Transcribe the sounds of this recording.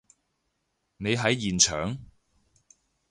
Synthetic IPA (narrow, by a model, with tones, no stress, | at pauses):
ne˨˧jɦɐ˨˥jːiː˨˩nt͡ʃʰœː˨˥ŋ